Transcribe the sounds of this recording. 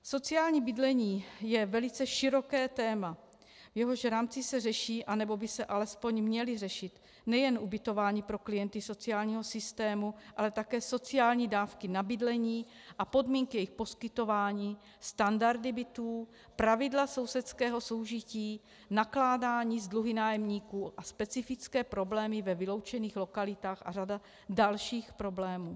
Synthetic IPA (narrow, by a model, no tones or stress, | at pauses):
so̞t͡sɪaːlɲiːbɪdlɛɲiːjɛvɛlɪt͡sɛʃɪɾo̞kɛːt̪ɛːma | vjɛɦo̞ʃɾaːmt͡sɪsɛrɛʃiːʔanɛbo̞bɪsɛʔalɛspo̞ɲmɲɛlɪrɛʃɪt̪ | nɛjɛnʔubɪt̪o̞vaːɲiːpɾo̞klɪjɛnt̪ɪso̞t͡sɪaːlɲiːɦo̞sɪst̪ɛːmuʔalɛt̪akɛːso̞t͡sɪjaːlɲiːdaːfkɪnabɪdlɛɲiː | ʔapo̞dmiːŋkijɛjixpo̞skɪt̪o̞vaːɲiː | st̪andaɾdɪbɪt̪uː | pɾavɪdlaso̞wsɛt̪skɛːɦo̞so̞wʒɪciː | naklaːdaːɲiːzdluɦɪnaːjɛmɲiːkuːʔaspɛt͡sɪfɪt͡skɛːpɾo̞blɛːmɪvɛvɪlo̞wt͡ʃɛniːxlo̞kalɪt̪aːxʔa̰rada | dalʃiːxpɾo̞blɛːmuː